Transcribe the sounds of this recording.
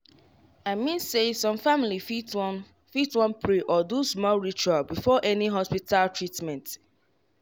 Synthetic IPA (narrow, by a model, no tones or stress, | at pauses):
aɪmĩnsesɔ̃mfamilifit | fitwɔ̃npʰɹeʔɔdusmɔlɹit͡ʃualbifɔʔɛniɦɔspitʰaltɹitmɛ̃nt